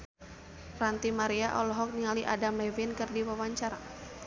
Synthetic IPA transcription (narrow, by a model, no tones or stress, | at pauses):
rant̪imaɾiaʔɔ̰lɔɦɔk̚niŋaliʔadamɛvinkɨrdiwawaɲt͡ʃaɾa